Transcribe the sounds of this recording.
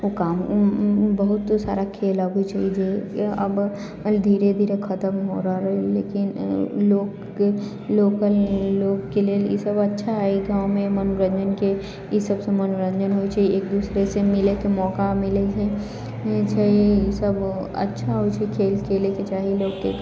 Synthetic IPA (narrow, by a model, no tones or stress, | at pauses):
ʊkaːm | bɐɦʊt̪sa̰ːɾakʰeːlaɡoit͡ʃaɦid͡ʒeɐ̰b | d̪ʱiːɾed̪ʱiːɾekʰɐt̪əmɦo̰ɾaɾɐɦelḛːkɪnloːɡ | e | loːkəlloːɡkeliejḛsɐbɐtːʃʰaɦeɡãːʊ̃mẽmɐnoɾə̃nd͡ʒənke | jisəbsemɐnuɾə̃nd͡ʒənɦoit͡ʃaːieːk̚d̪uːsɾesemɪlek̪emɔːkamɪled͡ʒɛ | t͡ʃaːiesəb | ɐ̰tːʃʰaɦot͡ʃekʰeːlkʰeːleket͡ʃaːɦiloːɡke